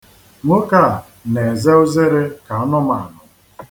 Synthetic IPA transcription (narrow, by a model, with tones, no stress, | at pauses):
ŋʷʊ˦ka˦˨ | ne˨ze˦ʊ˦ze˦ɾe˦ka˨ɔ˦nʊ˦ma˨nʊ˨